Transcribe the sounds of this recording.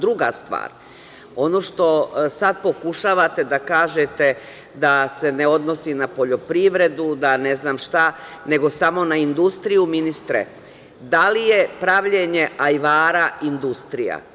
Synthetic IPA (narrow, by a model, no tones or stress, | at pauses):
d̪ɾuɡa̰st̪ʋa̰ːɾ | o̞no̞ʃt̪o̞sad̪̚po̞kuʃaʋat̪e̞d̪akaːʒet̪e̞ | d̪ase̞ne̞o̞d̪no̞sinapo̞ʎo̞pɾiʋɾe̞d̪ud̪ane̞znaːmʃt̪ane̞ɡo̞samo̞naind̪ust̪ɾijuminist̪ɾḛ | d̪alije̞pɾaʋʎeɲeʔajʋaːɾaind̪ust̪ɾija̰